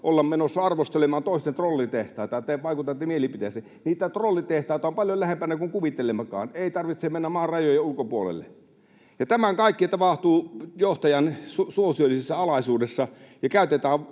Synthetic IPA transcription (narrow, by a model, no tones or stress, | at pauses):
ʔolːɑmmenosːɑɑrʋost̪elemɑːnt̪oˑist̪ent̪rolːit̪eht̪ɑˑːt̪ɑt̪eʋɑˑikut̪ɑt̪ːiːmielipit̪ese | niːt̪æt̪rolːit̪eht̪ɑˑit̪ɑompɑljolæhempænækuŋkuʋit̪elemɑkɑ̰ːneˑit̪ɑrʋit̪semenːæmmɑːrrɑjojɑulkopuolḛlːḛ | jɑt̪æmæŋkɑˑikːit̪ɑpɑht̪uːjoht̪ɑjɑnsusuosiolːˑisesːɑɑlɑsuːdesːɑjɑkæˑyt̪et̪æːʋ